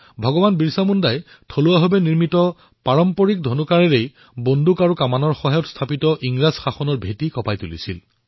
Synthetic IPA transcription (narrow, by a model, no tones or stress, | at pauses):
bʱɔɡɔbanbiɹsamundaj | tʰoluaɦobɛniɹmitɔ | paɹɔmpɔɹik̚dʱɔnukaɹɛɹej | bondukaɹukamanɔɹxɔɦajɔtst̪ʰapitɔʔiŋɹazxaxɔnɔɹbʱetikɔpajtulḭsḭl